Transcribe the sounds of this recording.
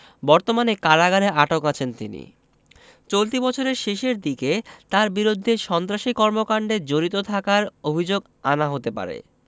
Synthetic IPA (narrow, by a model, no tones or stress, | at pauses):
bɔɾt̪omanekaɾaɡaɾeʔaʈokat͡ɕʰent̪ḭnḭ | t͡ɕolt̪ibɔt͡ɕʰoɾeɾʃeʃeɾd̪iket̪aɾbiɾod̪ʱːeʃɔnt̪ɾaʃikɔɾmokaɳɖed͡ʑoɾit̪ot̪ʰakaɾobʱid͡ʑoɡ | anaɦot̪epa̰ɾḛ